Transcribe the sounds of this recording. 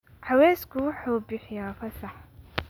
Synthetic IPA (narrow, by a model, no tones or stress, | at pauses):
ħɑwɛːskʰʊwʊħuːbɪħɪjafɐsɑħ